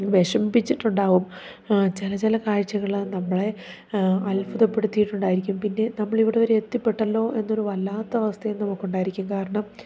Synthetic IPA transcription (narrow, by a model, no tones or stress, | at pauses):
ʋe̞ʂɐmbit͡ɕːiʈːuɳɖaːʋum | t͡ɕilɐt͡ɕilɐkaːɻt͡ɕːɐɣɐɭinɐmːɐɭe̞ | ɐlpuðɐpːe̞ɽut̪ːijiʈːuɳɖaːjiɾikʲːumpinːe̞nɐmːɐɭiʋiɽeʋɐɾeet̪ːipːe̞ʈːɐlːo̞ːʔe̞nːo̞ɾuʋɐlːaːt̪ːɐʋɐst̪ʰɐjumnːɐmokːuɳɖaːjiɾikʲːumkaːɾɐɳɐm